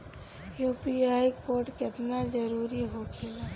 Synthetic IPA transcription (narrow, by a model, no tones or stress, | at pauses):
juːpiaːikoːɾʈkɪt̪nad͡ʒɐɾuːɾiɦokelaː